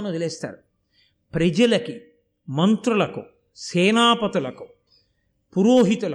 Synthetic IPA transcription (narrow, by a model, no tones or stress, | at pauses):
nut̪eleːst̪a̰ːɾu | pɾɐd͡ʒɐlɐki | mɐnt̪ɾulɐku | sɛːnaːpɐt̪ulɐku̥ | puɾoːɦit̪ulɐ